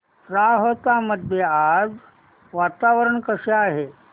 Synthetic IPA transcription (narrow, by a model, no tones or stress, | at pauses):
ɾaɦot̪aməd̪ʱjead͡z | ʋat̪aʋəɾəɳkəʂaaɦe